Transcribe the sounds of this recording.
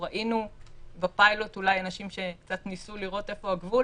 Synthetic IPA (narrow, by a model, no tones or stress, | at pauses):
ʁaʔinubepajlo̞tulajanaʃimʃe̞kt͡satnisuliʁo̞te̞fo̞haɡvu